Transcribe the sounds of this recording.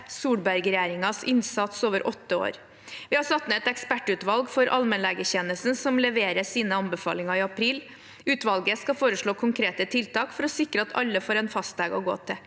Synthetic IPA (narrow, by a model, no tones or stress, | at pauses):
suːɽbæɾɡɾɛjæːɾɪŋɑsɪnsɑt̪soːʋəɾʔɔt̪ːəo̰ːɾ | ʋɪːhɑsɑt̪nəɛt̪ɛkspæʈːʉːt̪ʋɑlɡfɔɾʔɑ̰lmɛnlɛːɡəçɛnəsn̩sɔmlɛʋeːɾəsiːnəɑnbəfɑ̰ːlɪŋɑɪɑpʰɾiːl | ʉːt̪ʋɑlɡəskɑfoːɾəʂɭoːkʰʊŋkʰɾeːt̪ət̪ʰɪlt̪ɑːkfɔɾɔsɪkɾəɑt̪ʰɑ̰lːəfoːɾɛnfɑst̪lɛɡɔɡo̰ːt̪ʰɪ